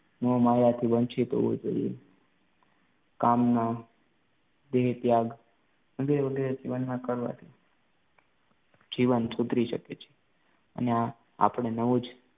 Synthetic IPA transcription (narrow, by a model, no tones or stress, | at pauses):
nomajat̪ʰibənt͡ʃʰit̪o̰ʋo̰d͡ʒo̰ije | kamna | d̪eɦt̪jaɡ | ʋəɡeɾeʋəɡeɾed͡ʒiʋənmãkəɾʋa̰t̪ʰi | d͡ʒiʋənsud̪ɾiʃə̰ket͡ʃʰe̥ | ə̰nea | a̰pəɳ̃enəʋud͡ʒ